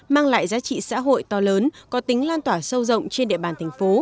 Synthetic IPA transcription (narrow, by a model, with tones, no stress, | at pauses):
maː˧ŋla̰ː˧˨jzaː˨˦t͡ɕḭ˧˨sa̰ː˧˥ɦo̰˧˨jt̪ɔ˧˩ləː˨˦nkɔ˨˦t̪ï˨˦ŋ̟laː˧nt̪waː˧˩sə˧wzə̰˧˨wŋ͡mt͡ɕe˧nɗḭ˧˨əɓaː˨˩nt̪ʰɛ˨˩jŋ̟fo˨˦